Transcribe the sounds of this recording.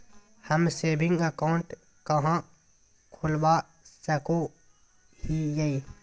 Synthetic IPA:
həmseːbʱɪ̃ŋɡəkaʊɳʈ | kəɦã | kʰʊlba | səko | hijai

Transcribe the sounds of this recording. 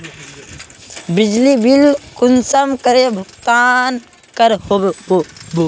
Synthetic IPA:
bɪd͡ʒlibilkʊnsəmkəɾebʱəɡt̪aːn | kəɾhoo

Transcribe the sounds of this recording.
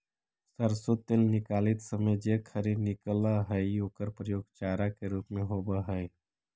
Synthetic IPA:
səɾsut̪ːeːlnɪkaːlɪt̪səməjd͡ʒekʰəɾidnɪklaɦəjoːkəɾpɾəjoːɡt͡ʃaːɾakeɾuːpmẽɦoːbaɦəj

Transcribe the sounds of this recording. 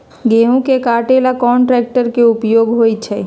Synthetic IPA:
ɡeɦũkekaːʈelakɔːɳʈɾɛːk̚ʈəɾkeʊpjoɡɦoːjt͡ʃʰɛ

